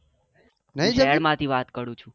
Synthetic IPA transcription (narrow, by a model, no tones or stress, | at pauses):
nəɦĩd͡ʒeɛɽmãt̪ʰiʋat̪kəɾũt͡ʃʰũ